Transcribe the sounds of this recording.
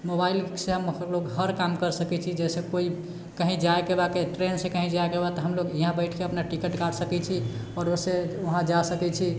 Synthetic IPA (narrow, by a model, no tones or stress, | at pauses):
mobailseɦəmloɡɦəɾkamkəɾsəkɛt͡ʃʰid͡ʒɛsekoi | kəɦĩd͡ʒaekebakeʈɾensẽkəɦĩd͡ʒaekebat̪ɔɦəmloɡiɦãbəɪʈʰkeəpnaʈikeʈkaɽsəkɛt͡ʃʰiɔːɾoseoɦãd͡ʒasəkɛt͡ʃʰi